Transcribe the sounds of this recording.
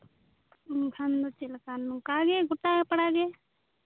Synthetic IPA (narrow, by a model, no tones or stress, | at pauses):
ɡʰʱand̪ot͡ʃilkanũkaːɡeɡʊʈaepəɽaːɡe